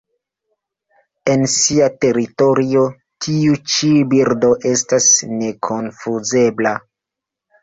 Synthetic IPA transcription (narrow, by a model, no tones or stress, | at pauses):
e̞nsiate̞ɾito̞ɾio̞ | tʰiut͡ʃibiɾdo̞ʔe̞stasne̞kʰo̞nfuze̞bla